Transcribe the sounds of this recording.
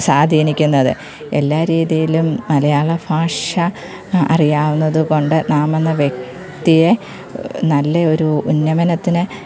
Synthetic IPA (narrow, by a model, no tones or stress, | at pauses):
saːd̪ʱiːnikʲːunːɐðɨ | e̞lːaːɾiːðijilumnɐlɐjaːɭɐbʰʱaːʂɐ | ɐ̰rijaːʋunːɐðuko̞ɳɖɨnaːmenːɐʋje̞k̚ | t̪ije̞ | nɐlːe̞o̞ɾuunːɐmɐnɐt̪ːinɨ